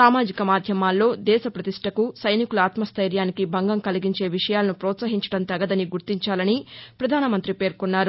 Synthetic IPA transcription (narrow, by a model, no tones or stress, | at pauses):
saːmaːd͡ʒikɐmaːd̪ʱjɐmaːlːo̞ːd̪ɛːʃɐpɾɐt̪iʂʈʰɐkusɐjnikulaːt̪mɐst̪ʰɐjɾjaːnikibʱɐŋɡɐmkɐliɡiɲt͡ʃe̞ːʋiʂɐjaːlɐnupɾɔːt̪sɐɦiɲt͡ʃɐ̥ɽɐnt̪ɐɡɐd̪ɐniɡuɾt̪iɲt͡ʃaːlɐnipɾɐd̪ʱaːnɐmɐnt̪ɾipe̞ːɾkunːaːɾu